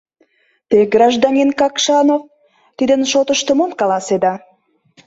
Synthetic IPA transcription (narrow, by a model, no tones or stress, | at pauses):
t̪eɡrɑʒd̪ɑnʲinkɑkʃɑnof | t̪id̪ənʃot̪əʃt̪əmomkɑlˠɑsed̪ɑ